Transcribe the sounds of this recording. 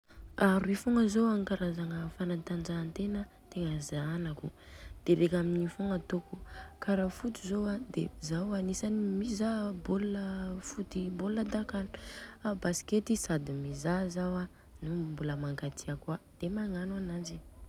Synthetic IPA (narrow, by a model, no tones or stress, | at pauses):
aɾifoŋəzoaŋkaɾazaŋəfanant̪anɖ͡ʐaːnt̪enə | t̪eŋəzanaku | d̪̥eɾekʲaminifoŋat̪okukaɾafut̪izowad̪ezawanisanimizaboləfut̪iboləd̪akanu̥abasi̥ket̪isad̪imizazawa | numbuləmaŋɡat̪iakuad̪̥emaŋanuanazi